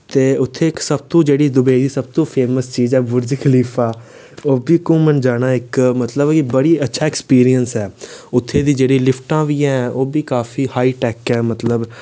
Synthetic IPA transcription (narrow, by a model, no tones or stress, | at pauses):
t̪eːʊt̪ʰːeːɪksəb̚t̪õːd͡ʒeːɽiːd̪ʊbeːid̪iːsəb̚t̪õːpʰeːməst͡ʃiːzɛːbʊɾd͡ʒkʰəliːpʰaː | oːbiːkʊ̃ːmənd͡ʒaːñaːɪkmət̪ləbɪbəɽiːətːʃʰaːɛkspiːɾijənsɛːʊt̪ʰːeːd̪iːd͡ʒeːɽiːlɪpʰʈãːʋiːɛ̃ːoːbiːkaːfʰiːhaːiːʈɛːkɛːmət̪ləb